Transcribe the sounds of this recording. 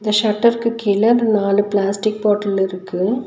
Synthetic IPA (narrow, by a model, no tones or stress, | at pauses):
ɪnd̪ɐʃɐʈːɐɾkɯkːɪlɐɾnaːlɯplaːsʈɪk̚poːʈːɐlɪɾɯkːɯ